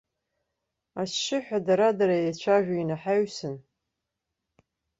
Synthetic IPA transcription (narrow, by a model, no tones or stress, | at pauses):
asːɪħʷᶣadaɾadaɾajat͡ʃʷʰaʒᶣʷainaħaɥsɨn